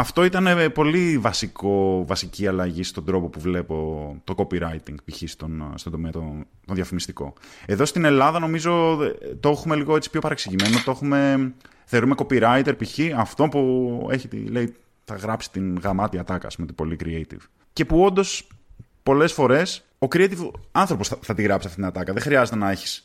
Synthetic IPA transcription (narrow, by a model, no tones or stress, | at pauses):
ɐft̪o̞it̪ɐne̞po̞livɐsiko̞vɐsiciɐlɐʝist̪ond̪ɾo̞po̞puvle̞po̞t̪o̞ko̞piɾɐjt̪iŋɡpiçist̪onst̪ond̪o̞meɐt̪o | t̪onðjɐfimist̪iko̞̰e̞ðo̞st̪ine̞lɐðɐno̞mizo̞t̪o̞xume̞liɣo̞e̞t͡si̥pço̞pɐɾeksiʝime̞not̪o̞xume̞ | θe̞ɾume̞ko̞piɾɐjt̪e̞ɾpiçiɐft̪o̞pue̞̰çit̪ḭle̞i | θɐɣɾɐpsi̥t̪inɣɐmɐt̪iɐt̪ɐkɐ̰spumt̪ibo̞likɾiejt̪ḭv̥ | ce̞puo̞nd̪o̞s | po̞le̞sfo̞ɾe̞s | o̞kɾiejt̪ivɐnθɾo̞po̞sθɐt̪iɣɾɐpsisɐft̪it̪inɐt̪ɐkɐðexɾiɐze̞t̪enɐe̞çi̥s